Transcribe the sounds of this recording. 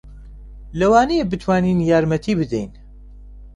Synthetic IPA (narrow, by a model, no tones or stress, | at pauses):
lɛwaːneebɨt̪ʰwaːniːnjaːɾmɛt̪ʰiːbɨd̪ɛ̰jn